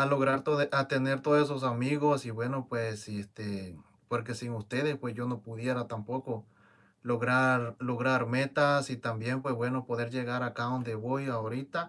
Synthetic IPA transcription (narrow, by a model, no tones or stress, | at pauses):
alo̞ɣɾaɾt̪oðʔat̪ene̞ɾt̪oðoses̬os̬amiɣo̞siβwe̞no̞pwesest̪e | poɾke̞siŋust̪e̞ðespwe̞sʝo̞no̞puðje̞ɾat̪ampo̞ko̞ | loɣɾaɾloɣɾaɾme̞t̪asit̪ambje̞mpwesbwe̞no̞po̞ðe̞ɾʝe̞ɣaɾakaðo̞nd̪eβo̞jaoɾit̪a